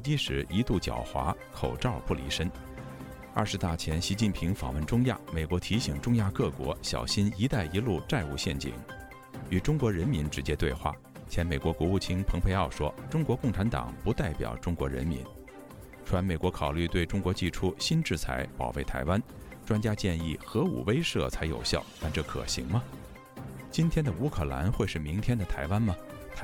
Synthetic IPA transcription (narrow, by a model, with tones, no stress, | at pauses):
t͡ɕi˥ʂɻ̩˧˥i˧˥t̪u˥˩t͡ɕjɑ̰˨˩ʊxwa̰˧˥ | kʰo˨˩ʊʈ͡ʂɑ˥˩ʊpu˥˩lḭ˧˥ʂə˥n | ɐ˞˥˩ʂɻ̩˧˥t̪a˥˩t͡ɕʰjɛ˧˥nɕi˧˥t͡ɕi˥˩npʰi˧˥ŋfɑ̰˨˩ŋwə˥˩nʈ͡ʂʊ˥ŋja̰˥˩me˨˩ɪkwɔ˧˥t̪ʰi˧˥ɕi˨˩ŋʈ͡ʂʊ˥ŋja˥˧kɤ˥˩kwɔ̰˧˥ɕjɑ̰˨˩ʊɕi˥ni˧˥t̪a˥˩ɪi˧˥lu˥˧ʈ͡ʂa˥˧ɪu˥˧ɕjɛ˥˩nt͡ɕḭ˨˩˦ŋ | y˨˩ʈ͡ʂʊ˥ŋkwɔ˧˥ɻə˧˥nmi˧˥nʈ͡ʂɻ̩˧˥t͡ɕjɛ˥t̪we˥˧ɪxwa̰˥˩ | t͡ɕʰjɛ˧˥nme˨˩ɪkwɔ˧˥kwɔ˧˥u˥˩t͡ɕʰi˥npʰɤ˧˥ŋpʰe˧ɪɑ˥˩ʊʂwɔ˥ʈ͡ʂʊ˥ŋkwɔ˧˥kʊ˥˩ŋʈ͡ʂʰa˧˥nt̪ɑ̰˨˩˦ŋpu˧˥t̪a˥˩ɪpjɑ̰˨˩ʊʈ͡ʂʊ˥ŋkwɔ̰˧˥ɻə̰˧˥nmḭ˧˥n | ʈ͡ʂʰwa˧˥nme˨˩ɪkwɔ˧˥kʰɑ˨˩ʊly˥˧t̪we˥˩ɪʈ͡ʂʊ˥ŋkwɔ˧˥t͡ɕi˥˩ʈ͡ʂʰu˥ɕi˥nʈ͡ʂɻ̩˥˩t͡sʰa̰˧˥ɪpɑ̰˨˩ʊwe˥˩ɪt̪ʰa̰˧˥ɪwa˥nʈ͡ʂwa˥nt͡ɕja˥t͡ɕjɛ˥˧ni˥˩xɤ˧˥ṵ˨˩we˥ɪʂɤ˥˧˩t͡sʰa˧˥ɪjo̰˨˩ʊɕjɑ̰˥˩ʊt̪a˥˧nʈ͡ʂɤ˥˩kʰɤ̰˨˩ɕḭ˧˥ŋmɐ˧ | t͡ɕi˥nt̪ʰjɛ˥nd̪ə˨u˧˥kʰɤ˨˩la̰˧˥nxwe˥˧ɪʂɻ̩˥˩mi˧˥ŋt̪ʰjɛ˥nd̪ə˨t̪ʰa˧˥ɪwa˥nmɐ˨t̪ʰ